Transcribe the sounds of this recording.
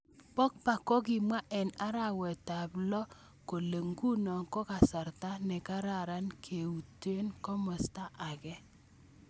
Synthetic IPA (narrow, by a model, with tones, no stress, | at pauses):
pɔ˦k̚pa˨kɔ˦ɡɪ˨mwa˦ʔɛ˨na˦ɾa˨wɛ˨ta˨blɔ˦ | ko˨le˨ŋɡu˦nɔ˨ŋkɔ˦ka˨sa˨ɾta˦nɛ˨ka˦ɾa˨ɾa˦nkʰe˨u˨te˦nkɔ˦mɔ˨sta˦ʔa˨ɡɛ˦